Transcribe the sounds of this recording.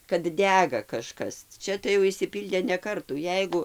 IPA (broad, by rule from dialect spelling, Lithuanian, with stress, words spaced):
kɐt ˈdʲæɡɐ kɐˈʃkɐs ˈt͡ʃʲɛ tɐɪ jɛʊ ɪʃʲsʲɪˈpʲiːlʲdʲeː nʲɛ ˈkɐrtuː ˈjɛɪɡʊ